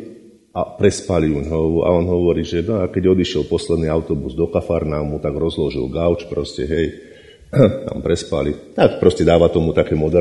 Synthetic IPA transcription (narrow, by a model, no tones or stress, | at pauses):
apɾɛspaliuɲɦɔʋuʔa̰ɔnɦɔʋɔɾiːʒɛnɔakɛɟɔd̪iʃɪɛlpɔslɛd̪niːaʊt̪ɔbuzd̪ɔkafaɾnamut̪aɡɾɔzlɔʒḭlɡaʊt͡ʃpɾɔscɛɦɛj | t̪a̰mpɾɛspa̰lit̪akpɾɔscɛd̪aːʋat̪ɔmut̪akɛːmɔd̪ɛ